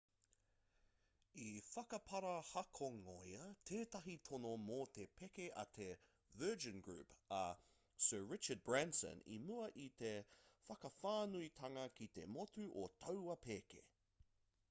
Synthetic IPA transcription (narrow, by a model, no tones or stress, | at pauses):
ifɐkɐpʰɐɾɐhɐkʰoŋojɐt̪ʰeːt̪ɐɦit̪ʰonomot̪epʰekeʔɐ̰t̪ʰe | vɜːd͡ʒə̃nɡɹʉ̰ːpɐ | sɜːɹɪt͡ʃəd̚bɹansə̰̃nḭmuɐʔit̪efɐkɐfaːnuit̪ʰɐŋɐkit̪e̞̰mot̪ʉʔot̪ʰɐwɐpʰeːkḛ